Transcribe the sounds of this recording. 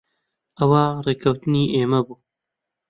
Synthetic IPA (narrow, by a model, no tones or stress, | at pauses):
ʔɐwaːreːkʰɐwt̪ɨniːʔeːmɐbuː